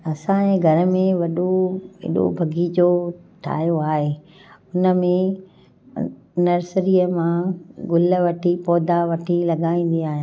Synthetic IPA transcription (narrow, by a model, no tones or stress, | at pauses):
ɐsãẽːɡʱɐɾəmẽʋɐɗoɪ̰ɗo̰bʱɐɡʱid͡ʑoʈʰa̰ːjoaːɦeː | ʊnə̆mẽ | nɐɾsɾiːəmãɡʊlə̆ʋɐʈʰipɔːd̪aʋɐʈʰilɐɠaːĩːn̆d̪iaːɦij̃ã